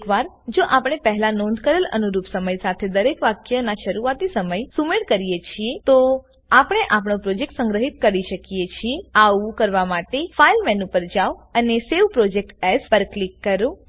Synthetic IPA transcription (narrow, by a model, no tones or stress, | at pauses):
kʋaɾ | d͡ʒoʔapɽ̃epəɦlanond̪̚kəɾələ̰nuɾupsəməjsat̪ʰed̪əɾekʋakjənaʃəɾuat̪isəməjsumeɽkəɾijet͡ʃʰiet̪o | apəɽ̃eʔapɳ̃opɾod͡ʒek̚ʈsə̃ŋɡɾəɦit̪̚kəɾiʃəkijet͡ʃʰieaʋũkəɾʋamaʈefailmɛnũpəɾd͡ʒaʋəneseʋpɾod͡ʒek̚ʈɛspəɾklikːəɾũ